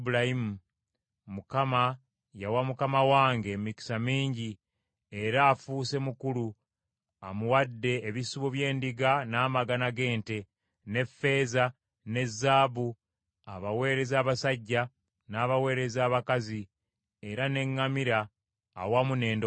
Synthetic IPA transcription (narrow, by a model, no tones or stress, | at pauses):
bulaimu | mukama | jawamukamawaːŋɡe̞miki̥samiːɲɟi | e̞ɾaːfuːse̞mukulu | amuwadːe̞ːβisuβoβje̞ːndiɡanaːmaɡanaɡe̞ːnte̞ | ne̞fːe̞ːza | ne̞zːaːβu | aβawe̞ːɾe̞zaːβasaɟːa | naːβawe̞ːɾe̞zaːβakazi | e̞ɾane̞ŋːamiɾa̰ː | wamune̞ːnd